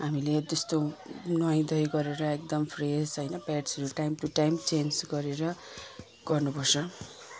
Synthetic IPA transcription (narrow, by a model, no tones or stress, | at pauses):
ɦamiled̪ʌst̪onwʌj̃d̪ʌjɡʌɾeɾʌek̚d̪ʌmpʰresɦʌjnʌpaʈsʌɾuʈajmʈuʈajmt͡send͡zɡʌɾeɾʌ | ɡ̥ʌrnupʌrsʌ